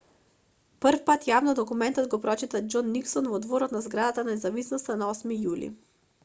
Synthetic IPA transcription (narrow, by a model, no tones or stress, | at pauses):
pəɾfpat̪javnɔd̪ɔkumɛnt̪ɔd̪ɡɔpɾɔt͡ʃit̪ad͡ʒɔnːiksɔnvɔd̪vɔɾɔt̪nazɡɾad̪at̪anaɛzavisnost̪anaɔsmijulḭ